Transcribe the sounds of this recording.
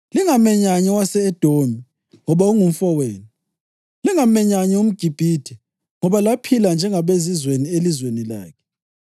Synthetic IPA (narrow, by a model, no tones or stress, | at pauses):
liŋamɛɲaɲɛwasɛːd̥ʱomi | ŋɔβauŋum̩fɔweːni | liŋamɛɲaɲɛum̩ɡ̥ʱib̥ʱiːd̥ʱɛ | ŋɔβalapʰiland͡ʒʱɛŋaβezizwenielizwenila̰ːkʰɛ̥